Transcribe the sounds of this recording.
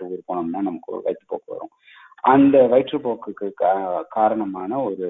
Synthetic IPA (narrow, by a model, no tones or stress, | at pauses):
ɯuːɾɯpoːɳɯmnːaːnɐmɐkːʋɐ̰ɪʈ̪ːɯpoːkːɯʋɐ̰ɾṵ̃ | ʔɐnd̪ɐʋɐɪʈrɯpoːkːɯkːɯkaːɾɐɳɐmaːnɐɔɾɯ